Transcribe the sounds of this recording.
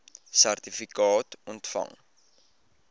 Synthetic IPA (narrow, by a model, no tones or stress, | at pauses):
særtifikɑːtɔntfɐ̰ŋ